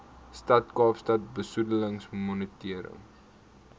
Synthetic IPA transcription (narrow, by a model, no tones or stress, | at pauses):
stɐtkɑːfstɐt̚bəsudələŋsmɔnətiəɾə̰ŋ